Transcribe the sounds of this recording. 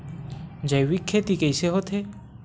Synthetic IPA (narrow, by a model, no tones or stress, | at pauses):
d͡ʒajwikʰːet̪ikejseɦot̪ʰe